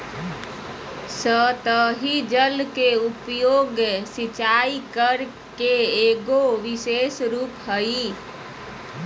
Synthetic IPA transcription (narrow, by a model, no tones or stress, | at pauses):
sət̪əɦid͡ʒəlkeupjoɡjsit͡ʃaikəɾ | keeɡoʋisesɾuːpɦəi